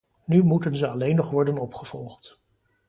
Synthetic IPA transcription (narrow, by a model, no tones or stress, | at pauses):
nymutənzəɑlejnɔχʋɔɹdənɔpχəv̥ɔlˠχt